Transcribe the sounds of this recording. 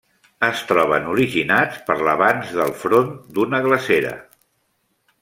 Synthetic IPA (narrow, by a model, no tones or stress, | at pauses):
əst̪ɾɔβənuɾiʒinat͡spəɾləβanzðəlˠfɾond̪unəɣləseɾə̰